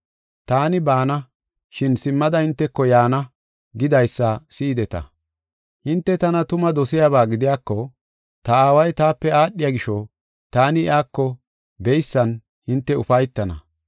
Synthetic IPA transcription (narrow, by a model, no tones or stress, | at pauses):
t̪aːnɪbaːnɐ | ʃɪnsɪmːɐd̪ɐhɪnt̪ːɛkːɔjaːnɐ | ɡɪd̪ɐjsːɐsiːd̪ɛt̪ɐ̰ | hɪnt̪ːɛt̪ɐnɐt̪ʊmɐd̪ɔsɪjaːβaːɡɪd̪ɪjaːkːɔ | t̪ɐaːwɐjt̪aːpːɛaːɗːɪjaɡɪʃɔ | t̪aːnɪɪaːkːɔ | bɛjsːɐn | hɪnt̪ːɛʊfɐjt̪ːɐnɐ